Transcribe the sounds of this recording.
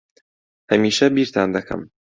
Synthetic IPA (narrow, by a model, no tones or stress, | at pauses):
hɐmiːʃɐbiːɾt̪ʰa̰ːnd̪ɐkʰɐ̰m